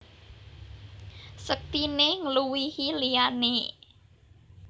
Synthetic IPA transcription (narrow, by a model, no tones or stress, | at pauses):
sək̚t̪ineŋluwihiliane